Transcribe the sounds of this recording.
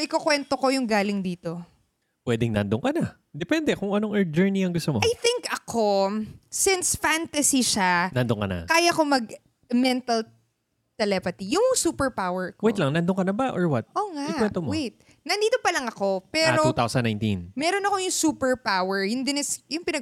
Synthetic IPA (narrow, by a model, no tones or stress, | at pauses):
ʔɪkokwɛnt̪oko̞jʊŋɡaːlɪŋd̪iːt̪o̞ | pwɛd̪ɪŋnɐ̰nd̪oŋkɐna | d̪ɛpɛnd̪ɛkoŋɐnoŋʔɛɹd͡ʒɛɹniɐŋɡʊst̪omoʔɐjθɪŋkɐkʰo̞sɪnsfant̪ɐsiʃanɐnd̪oŋkɐna̰kaːjɐko̞mɐɡ̚ | mɛnt̪ɐl | t̪ɛlɛpɐt̪ijʊŋsuːpɛɹpawɛɹkowej̪lɐŋnɐnd̪oŋkɐnɐbaʔoɹwat̪̚ʔoːŋaɪkwɛnt̪omowejt̪̚ | nɐnd̪iːt̪opɐlɐŋɐko̞pɛːɾot̪uːt̪awsɐnːaj̃nt̪ḭnmɛːɾonɐko̞jʊŋsuːpɛɹpawɛɹjʊnd̪ɪnɛsjʊŋpɪnɐ